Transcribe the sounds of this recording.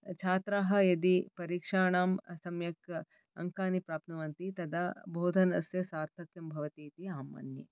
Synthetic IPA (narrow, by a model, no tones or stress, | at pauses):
t͡ʃʰaːt̪ɾaːɦɐ̆jɐd̪ipɐɾiːkʂaːɳaːmɐsɐmjɐk | ɐ̰ŋkaːnipɾaːp̚t̪nɐʋɐnt̪it̪ɐd̪ɐbʱoːd̪ʱɐnɐsjɐsaːɾt̪ʰɐkjɐmbʱɐʋɐt̪iːt̪iaːmɐ̰njɐ̰